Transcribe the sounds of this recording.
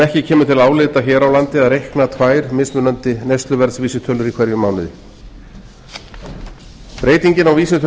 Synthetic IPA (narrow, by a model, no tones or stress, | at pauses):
ɛhcɪcʰɛːmʏt̪ʰɪlaːwlɪt̪açɛːɾawlant̪ɪaðrejhknat̪ʰvaːjɾmɪsʏnœnt̪ɪnejst̪lʏvɛɾsviːsʏt̪ʰœːlʏɾikʰv̥ɛɾjʏmawnɪð | pɾeːjt̪iɲcɪnawviːsɪt̪ʰ